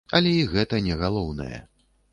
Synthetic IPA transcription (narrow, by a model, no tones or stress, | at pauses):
ɐlʲɛiɣɛt̪ɐnʲɛɣalˠɔwnɐ̰jɛ̰